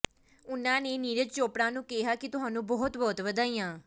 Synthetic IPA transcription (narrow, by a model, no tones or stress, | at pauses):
ʊnãːneːniːɾəd͡ʒt͡ʃoːpɽãːnũːkɛɦaːkɪt̪ʊɦãːnũːbɔːt̪bɔːt̪ʋəd̪aːiːãː